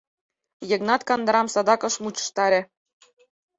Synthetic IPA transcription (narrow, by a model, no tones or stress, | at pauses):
jĕɡnɑt̪kɑnd̪ɤ̆ɾɑmsɑd̪ɑkɤ̆ʃmut͡ɕɤ̥̆ʃt̪ɑɾʲĕ